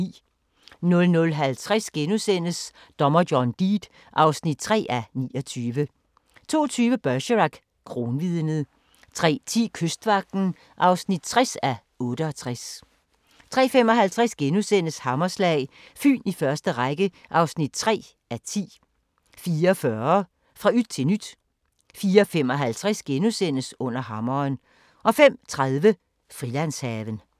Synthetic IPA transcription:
ḭː | nɔ̽lnɔ̽lɦælt͡sʰʁasɡ̥enusen̰əs | d̥ɒ̽mɐɡjɒnd̥iːd̥ | ʔɑ̈ʊsnid̥̚t͡sʰʁɛ̰ːænḭːɒt͡sʰyːʋə | t͡sʰo̝̰ːt͡sʰyːʋəb̥ɶɕəʁɑ̈ɡ̥ | kʰʁo̝ːnʋiðˠnəð̩ˠ | t͡sʰʁɛ̰ːt͡sʰḭːkʰøsd̥ʋɑ̈ɡ̥̚d̥n̩ | ʔɑ̈ʊsnid̥̚t͡sʰʁasæ | ɔ̽ːɾəɒ̽t͡sʰʁas | t͡sʰʁɛ̰ːfem̰ɒ̽ɦælt͡sʰʁɛsɡ̥enusen̰əshɑ̈mɐslɛɪ | fy̰ːnifɶɐsd̥əʁaɡ̥əʔɑ̈ʊsnid̥̚t͡sʰʁɛ̰ː | ʔæt͡sʰḭː | fiːɐɒfɶɐ | fʁɑ̈yd̥̚t͡sʰe̝nyd̥ | fiːɐfem̰ɒ̽ɦælt͡sʰʁasɡ̥enusen̰əsɔ̽n̰ɐɦɑ̈mɐːn | ʔɒ̽fem̰t͡sʰʁaðˠʋə | fʁilænshɛːʋən

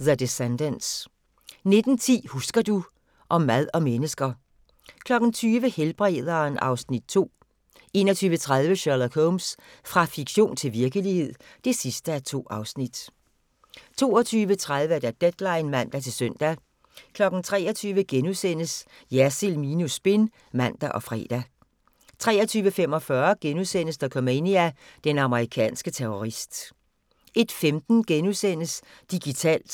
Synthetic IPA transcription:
ðəd̥esend̥əns | ne̝d̥n̩t͡sʰḭːhusɡ̥ɐd̥u | ʔɒ̽mːæð̞ˠɒ̽menəsɡ̥ɐ | kʰlɒ̽ɡ̥n̩t͡sʰyːʋəhelb̥ʁɛð̞ˠɐnʔɑ̈ʊsnid̥̚t͡sʰo̝̰ː | e̝̰ːnɒt͡sʰyːʋət͡sʰʁaðˠʋəɕɑlɐkʰoms | fʁɑ̈fiɡ̥ɕo̝̰ːnt͡sʰe̝lʋiɐɡ̥əlihe̝ð̰ˠ | d̥e̝sisd̥əæt͡sʰo̝̰ːɑ̈ʊsnid̥ | t͡sʰo̝̰ːɒ̽t͡sʰyːʋət͡sʰʁað̞ˠʋəd̥æd̥ed̥lɑ̈ɪnmæn̰d̥æt͡sʰe̝lsœn̰d̥æ | kʰlɒ̽ɡ̥n̩t͡sʰʁɛ̰ːɒt͡sʰyːʋəɡ̥enuðˠsen̰əs | jæsilminusb̥e̝n | mæn̰d̥æʔɒ̽fʁɛ̰ːd̥æ | t͡sʰʁɛ̰ːɐt͡sʰyːʋəfem̰ɒ̽fɶɐɡ̥enusen̰əsd̥ækʰɒ̽meniæd̥enɑ̈məʁikʰɛ̰ːnsɡ̥ət͡sʰeoʁisd̥ | ʔe̝d̥femd̥n̩ɡ̥enuðˠsen̰əsd̥iɡ̥it͡sʰɛ̰ːl̰d̥

